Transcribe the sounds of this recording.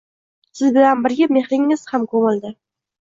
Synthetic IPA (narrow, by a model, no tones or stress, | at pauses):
sɪzbɪlanbɪɾɡʲame̞hɾɪŋɪz̥hamkʰɵmɪld̪ɪ